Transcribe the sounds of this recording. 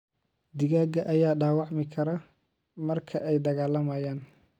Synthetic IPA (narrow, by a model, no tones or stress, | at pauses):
d̪ɪɣaːɡɐʔɐjaːɖaːwɑʕmɪkʰɐɾɐ | mɐrkʰɐʔɛjd̪ɐɣaːlɐmɐːjaːn